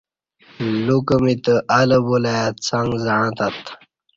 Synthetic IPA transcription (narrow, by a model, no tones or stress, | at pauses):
lukəmit̪əʔaləbulajat͡saŋɡzaãt̪at̪